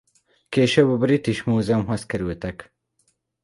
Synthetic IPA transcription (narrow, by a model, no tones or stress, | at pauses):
keʃɐbɐbɾit̪iʃmuːzɐmɦɐskɐɾiwet̪ɐk